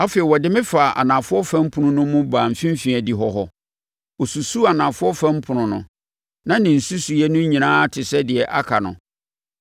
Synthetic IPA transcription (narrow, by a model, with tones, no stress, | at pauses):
a˦feː˨i˨wɔ˨dɪ˦mɪ̃˦fa˨ʔa̰˨nã˨fʊ˦ɔ˦fã˦m̩˦pʰʊ̃˨nʊ̃˦nʊ̃˦mʊ̃˦baː˨m̩˨fĩ˦m˦fĩ˨ɛ˨di˨ɦɔ˦ɦɔ˦ | ɔ˨su˨su˦a˨nã˨fʊ˦ɔ˦fã˦m̩˦pʰʊ˨nʊ̃˨nʊ̃˨ | nã˦nɪ̃˨n̩˨su˦su˨jɛ˦nʊ̃˦ɲĩ˨nãː˦tʰɪ˨sɛ˦dɪ˨ɛ˨ʔa˦kʰa˨nʊ̰̃˨